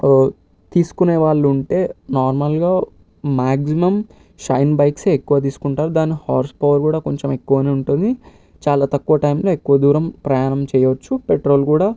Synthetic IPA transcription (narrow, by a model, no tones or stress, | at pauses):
t̪iːsu̥kuneːʋaːɭːuuɳʈe̞ːnaːɾmɐlɡaː | maːɡsimɐm | ʃɐjnbɐjkse̞ːekːuʋɐt̪̬iːsu̥kuɳʈaːɾud̪aːnːihaːɾspɐʋɐɾkuːɽaːkoɲt͡ʃeme̞kːuʋɐneːuɳʈund̪i | t͡ʃaːlaːt̪ɐkːuʋɐʈɐjmlo̞ːekːuʋɐd̪uːɾɐmpɾɐjaːnɐmt͡ʃɛːjɐʋɐt͡ʃːupeʈɾo̞ːlkuːɽaː